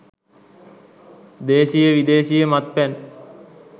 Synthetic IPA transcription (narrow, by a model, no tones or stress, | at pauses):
d̪eːʃijəʋid̪eːʃijəmat̪̚pɛn